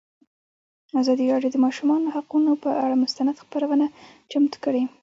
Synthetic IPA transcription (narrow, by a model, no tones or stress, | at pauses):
azɑd̪iɾɑɖjod̪əmɑʃumɑnohaqunopəʔaɽamʊst̪anad̪xpaɾawəna | t͡ʃamt̪kəɽe